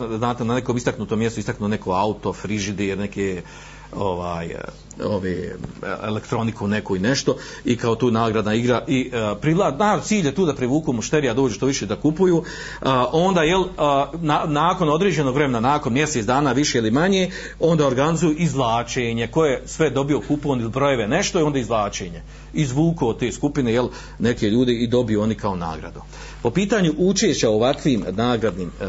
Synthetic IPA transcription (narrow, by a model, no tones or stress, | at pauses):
znaːt̪enane̞koːmist̪aknut̪omjest̪uist̪aknuːne̞koaut̪o̞fɾiʒid̪eeɾne̞ke | o̰ʋaːj | o̰ʋḛːḛlekt̪ɾo̞nikune̞koineʃt̪o̞ | ikaot̪uːnaːɡɾad̪naiɡɾaʔipɾilanat̪siːʎje̞t̪uːd̪apɾiʋuːkuːmuʃt̪eːɾijad̪o̞ːd͡ʒuːʃt̪oːʋiʃed̪akupujuː | ʔo̞nd̪aːjelnanaːko̞no̞d̪ɾeːd͡ʑe̞no̞ɡʋɾe̞me̞nanaːko̞nmjeset̪d̪aːnaːʋiʃe̞ilimaɲeː | o̞nd̪aoɾɡanizujuʔizʋlˠaːt͡ʃeːɲe̞ko̞jesʋe̞d̪o̞bijo̞kupoːnilibɾo̞je̞ʋe̞ne̞ʃt̪oio̞nd̪aizʋlˠaːt͡ʃeːɲe̞ | izʋuːkoːt̪e̞ːskupine̞jel | ne̞ke̞ʎuːd̪eid̪o̞bijuo̞nikaona̰ːɡɾa̰d̪u | po̞piːt̪aːɲuʔut͡ʃeːʃt͡ɕaoʋakʋiːmnaːɡɾad̪niːm